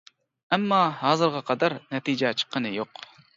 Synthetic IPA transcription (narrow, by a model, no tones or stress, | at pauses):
ɛmːɑhɑːzɨɾʁɑqʰɑd̪ɑɾnɛt̪id͡ʒɛt͡ʃʰə̥qʰːənɨjoq